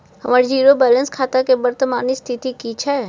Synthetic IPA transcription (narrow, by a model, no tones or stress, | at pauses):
hɐmaːɾid͡ʒiːɾobɛːlə̃nskʰaːt̪akebəɾt̪əmaːnist̪ʰɪt̪ikit͡ʃʰɛ